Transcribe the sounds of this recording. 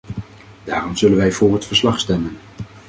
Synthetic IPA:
d̥aːrɔmz̥ɵlənʋɛjvʊːɹɦətfəɹslɑχstɛmən

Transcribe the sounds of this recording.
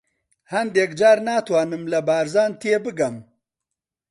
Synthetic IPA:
hɐnd̪eːkd͡ʒaːɾnaːt̪wɑːnɨmlɐbaːɾzaːnt̪ʰeːbɨɡɐm

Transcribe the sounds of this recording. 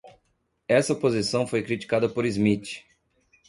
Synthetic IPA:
ɛsɐpozisɐ̃w̃fojkɾit͡ʃi̥kad̪ɐpoɾizmit͡ʃɪ̥

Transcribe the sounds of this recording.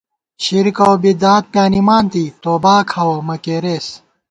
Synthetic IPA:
ɕiɾikɐwbid̪aːt̪̚pjaːnimaːnt̪iːt̪oːbaːkʰɐwɐmɐkeːɾeːs

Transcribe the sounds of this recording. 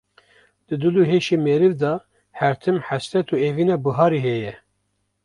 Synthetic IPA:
d̪̥ɨd̪ɨluːɦeːʃemeɾɨvd̪ɑː | hæɾt̪ʰɨmħæsɛt̪ʰuːeːviːnɛbɨɦɑːɾiɦɛjɛ

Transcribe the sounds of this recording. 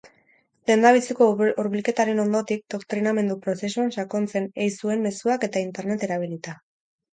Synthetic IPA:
le̞nd̪aβ̞it͡sikouɾβilke̞t̪aɾe̞no̞nd̪o̞t̪ik̚d̪o̞kt̪ɾiname̞nd̪upɾo̞se̞suanʃako̞nt͡se̞nejsue̞mme̞suake̞t̪aint̪e̞ɾne̞t̪e̞ɾaβ̞ilit̪a

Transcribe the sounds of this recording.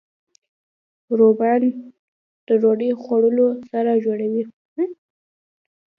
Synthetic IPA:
ɾoban | d̪̥əɾoɖəxwaɽəlosaɾad͡ʒoɽawi

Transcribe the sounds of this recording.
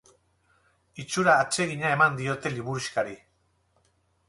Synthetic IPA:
it͡ʃuɾaːt͡ʃe̞ɣ̞iɲae̞mand̪io̞t̪e̞liβuɾuskaɾi

